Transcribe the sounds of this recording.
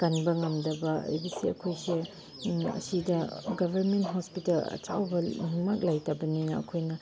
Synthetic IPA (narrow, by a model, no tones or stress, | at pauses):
kanbɐŋɐmdɐbɐ̰ḛjbisiɐkʰojse | ɐ̰sidɐɡɐbʱɐɾmentɦɔspitɐlɐ̰t͡ʃawbɐmak̚lajtɐbɐninɐɐ̰kʰojnɐ